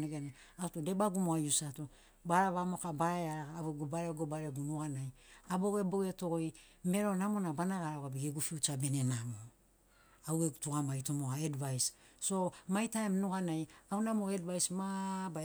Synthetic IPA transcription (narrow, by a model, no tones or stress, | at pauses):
neɡane | autode̞baɡumoajusato | baɾaβamo̞kabaɾaɾaaweɡobaɾeoɡobaɾeɡunuanajabo̞ɡe̞boeto̞ɡoj | me̞ɾo̞namo̞nabanaɡaɾaɡabiɡeɡufiut͡ʃabe̞ne̞namo | awetuɡamajtomoaedvajsːo̞majtaemnuɡanajawnamoedvajsmaba